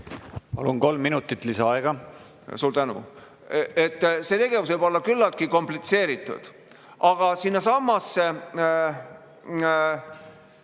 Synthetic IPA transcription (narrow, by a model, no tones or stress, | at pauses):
pɑ̰lunko̞lmːinut̪ːˑit̪ːˑlisɑɑeɡ̥ɑ | suːɾt̪ænṵ | et̪ːset̪e̞ɡ̥e̞vusvɤɨjbo̞lːɑkylːɑlt̪̚kiko̞mplit̪se̞ːɾit̪ːˑṵd̪̥ | ʔɑɡ̥ɑsinːɑsɑmːɑsːe